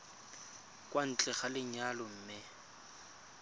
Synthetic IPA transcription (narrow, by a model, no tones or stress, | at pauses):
kʼwan̩t͡ɬʼɛχalɪɲalʊm̩ːmɪ